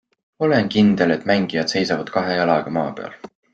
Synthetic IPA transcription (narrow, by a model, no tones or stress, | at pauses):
o̞lenkind̪̥e̞le̞t̪ːˑmæŋɡ̥ijɑd̪̥se̞jsɑvɑd̪̥kɑɦejɑlɑɡ̥ɑmɑːpe̞̰ɑ̰l